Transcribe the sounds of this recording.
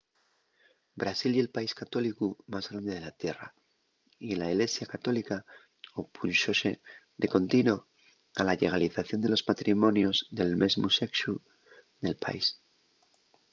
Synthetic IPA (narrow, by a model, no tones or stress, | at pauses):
bɾasilie̞lpaiskat̪o̞likumazɣɾand̪e̞ð̞e̞lat̪je̞ra̰ | ilaiɣle̞sjakat̪o̞lika | opʰunʃo̞se | d̪e̞ko̞nt̪ino̞ | alaʎe̞ɣ̞aliθaθjo̞nd̪elo̞zmat̪ɾimõ̞njo̞zðe̞lme̞zmuse̞ksu | ðe̞lpa̰is